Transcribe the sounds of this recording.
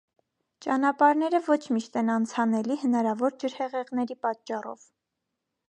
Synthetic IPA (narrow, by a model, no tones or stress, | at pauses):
t͡ʃɑnɑpɑɾnɛɾəvɔt͡ʃʰmiʃt̪ɛnɑnt͡sʰɑnɛlihənɑɾɑvɔɾd͡ʒəɾhɛʁɛʁnɛɾipɑt̪t͡ʃːɑrɔ̰v